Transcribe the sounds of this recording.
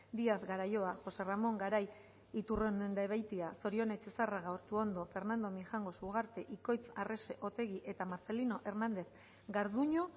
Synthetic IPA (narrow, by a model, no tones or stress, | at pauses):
d̪iaθɡaɾajo̞aʝo̞se̞ramo̞ŋɡaɾaj | it̪ure̞nd̪uend̪aeβajt̪iaso̞ɾio̞ne̞t͡ʃe̞saraɣaoɾt̪uo̞nd̪o̞fe̞ɾnand̪o̞mixaŋɡo̞suɣaɾt̪eʔiko̞jt͡sare̞se̞ʔo̞t̪e̞ɣiʔe̞t̪amaɾt͡se̞lino̞ʔe̞ɾnand̪e̞θ | ɡaɾðuɲo̞